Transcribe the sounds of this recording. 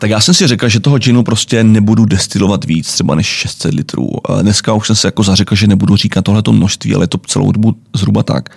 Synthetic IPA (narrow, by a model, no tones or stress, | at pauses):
t̪akjaːsɛmsɪrɛklʒɛt̪oɦod͡ʒɛnupɾo̞scɛnɛbududɛst̪ɪlo̞vat̪viːt͡st̪r̥ɛba̰nɛʃʃɛst̪sɛt̪lɪt̪ɾṵːnɛskauʃsɛmsɛjako̞zarɛkl̩ʒɛnɛbuduriːkat̪̚ːoɦlɛt̪o̞mnoʃst̪viːʔa̰lɛ̰jɛt̪ot͡sɛ̰lo̰wdobuzɦɾubat̪a̰k